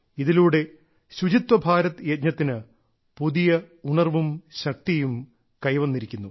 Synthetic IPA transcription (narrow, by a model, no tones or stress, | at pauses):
iðiluːɽe̞ | ɕud͡ʑit̪wɐbʱaːɾɐt̪ːɨjet̪̚ɲɐt̪ːinɨ | puðijɐ | uɳɐrʋumɕɐk̚t̪ijum | kɐjʋɐnːiɾikʲːunːu